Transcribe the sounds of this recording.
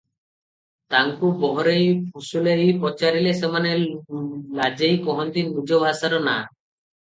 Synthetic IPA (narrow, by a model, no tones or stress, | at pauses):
t̪aŋkubɔɦɔɾejpʰusuleipɔt͡ʃaɾilesemane | lad͡ʒejkɔɦɔnt̪inmud͡ʒobʱasaɾɔna